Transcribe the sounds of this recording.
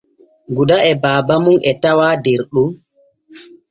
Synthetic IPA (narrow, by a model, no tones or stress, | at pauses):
ɡudaɛbaːbamunʔɛtawaːdeɾɗu